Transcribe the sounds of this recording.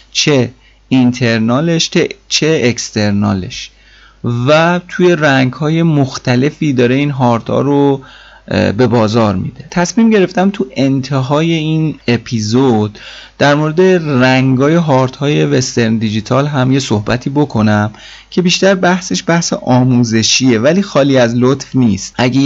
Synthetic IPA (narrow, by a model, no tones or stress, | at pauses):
t͡ʃʰe | int̪ʰe̞ɾnɒːleʃtʰet͡ʃʰeekst̪e̞ɾnɒ̰ːle̞̰ʃ | væt̪ʰuje̞ɾæŋɡhɒːje̞moxt̪ʰæle̞fiːd̪ɒːɾe̞iːnɦɒːɾt̪ʰhɒ̰ːɾo | be̞bɒːzɒːɾmḭd̪e̞t̪ʰæsmiːmɟe̞ɾe̞ft̪æmt̪ʰuʔe̞nt̪ʰeɦɒːje̞iːnepʰizod̪̥d̪̥æɾmoɾe̞d̪e̞ræŋɡɒːje̞ɦɒːɾt̪hɒːje̞ve̞st̪eɾnd̪id͡ʒit̪ʰɒːlɦæmje̞sohbæt̪ʰiːbo̞kʰo̞næm | cʰe̞biːʃt̪æɾbæhse̞ʃbæhsḛʔɒːmuːze̞ʃiːe̞væliːxɒːliːæzlot̪fniːst̪ʔæɟe